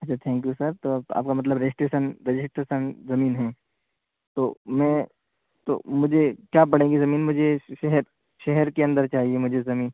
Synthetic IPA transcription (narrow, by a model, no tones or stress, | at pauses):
ɐtːt͡ʃʰat̪ʰɛ̃ːŋk̬jusɐɾt̪oːa̰ːp̚kamɐt̪ləbɾed͡ʒɪsʈeːʃənɾɪd͡ʒɪsʈɾeːʃənzɐmiːnɦɛ̃ː | t̪oːmɛ̃ː | t̪o̰ːmʊd͡ʒʱekjaːp̬ɐɽ̤ẽːɡizɐmiːnmʊd͡ʒʱeʃɛɦɛɾ | ʃɛɦɛɾkeɐ̃nd̪əɾt͡ʃaːɦiemʊd͡ʒʱezɐmiːn